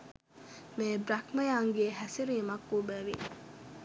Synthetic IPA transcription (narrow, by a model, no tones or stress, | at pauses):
meːbɾɐkmɐjaːŋɡeːɦæsiɾijemɐkːuːbæʋi